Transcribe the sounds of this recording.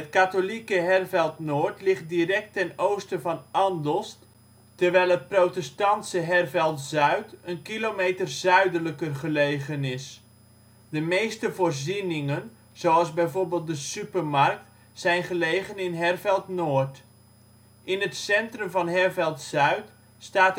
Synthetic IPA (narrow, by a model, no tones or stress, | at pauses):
ɦətkatolikəɦɛrvɛlˠtnoːɹtlɪχt̚dirɛk̚tɛnowstəvɑnʔɑndɔlˠst | tərʋɛjlˠɦət̚prowtɛstɑntsəɦɛrvɛlˠtzœɥtənkilomejtərzœɥdələkərχəlejχənɪs | dəmejstəvoːrzinɪŋən | z̥owɑlˠzbɛjvoːɹbeːlˠt̚dəsypərmɑrk̚t | sɛjnχəlejχənɪnɦɛrvɛlˠtnoːɹt | ʔɪnətsɛntrɵmvɑnɦɛrvɛlˠtzœɥt | staːt